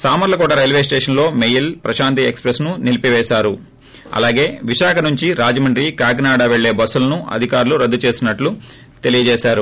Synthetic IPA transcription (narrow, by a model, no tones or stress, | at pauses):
saːmɐɾlɐkɔːʈɐɾɐjlʋe̞ːs̬ʈeːʂɐnlo̞ːmejilpɾɐʃaːnt̪̬iekspɾesnunilipiʋɛːʃaːɾu | ɐ̰laːɡe̞ːʋiʃaːkɐnuɲt͡ʃiɾaːd͡ʒɐmɐɳɖɾikaːɡnaːɽaʋeɭːe̞ːbɐsːulɐnuɐ̰d̪ʱikaːɾuluɾɐd̪ːut͡ʃe̞ːsinɐʈlu | t̪e̞lijɐd͡ʒeːʃaːɾu